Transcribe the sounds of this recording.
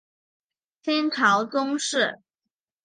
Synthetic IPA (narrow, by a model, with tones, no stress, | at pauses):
t̪ʰjɛ˥nʈ͡ʂʰɑ˨˧˥ʊt͡sʊ˥ŋʂɻ̩˥˩